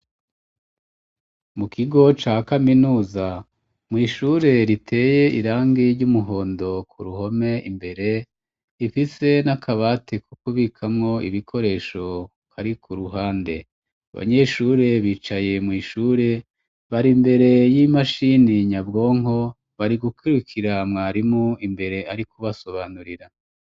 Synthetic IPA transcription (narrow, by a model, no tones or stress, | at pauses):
mukʰiɡo̞t͡ʃaːkaminuːza | mŋiːʃuːɾe̞ɾitʰe̞ːje̞ʔiɾaːŋɡiɾɟumuɦo̞ːndo̞kʰuɾuho̞me̞ʔimbe̞ɾe̞ | ifise̞nakʰaβaːtʰekʰukuβikʰamŋo̞ḭβikʰo̞ɾe̞ːʃo̞ | kaɾikʰuɾuɦaːnde̞ | a̰βa̰ɲe̞ʃuːɾe̞βiːt͡ʃaje̞mŋiːʃuːɾe̞ | βaɾimbe̞ɾe̞jimaʃiniɲabɡo̞ːŋɦo̞ | βaɾiɡukiɾukʰiɾamŋaːɾimuimbe̞ɾe̞aɾikuβaso̞βaːnuɾiɾa